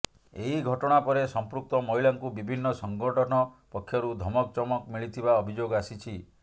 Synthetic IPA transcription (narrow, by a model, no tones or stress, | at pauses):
eɦiɡʱɔʈɔɽ̃apɔɾesɔmpɾuk̚t̪ɔmɔɦiɭaŋkubibʱinːɔsɔŋɡɔʈʰɔñɔpɔkʰːjɔɾud̪ʱɔmɔk̚t͡ʃɔmɔkmiɭit̪ʰibaɔbʱid͡ʒoɡasit͡ʃʰi